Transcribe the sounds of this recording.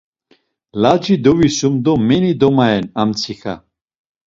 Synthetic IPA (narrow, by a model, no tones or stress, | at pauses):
lad͡ʒid̪ɔvisumd̪ɔmɛnid̪ɔmaɛnamt͡sʰixa̰